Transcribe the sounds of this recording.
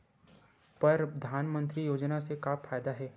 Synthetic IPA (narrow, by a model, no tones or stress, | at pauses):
pɐɾd̪ʱaːnmə̃nt̪ɾijoːd͡ʒnasekafʰaːjd̪aɦɛː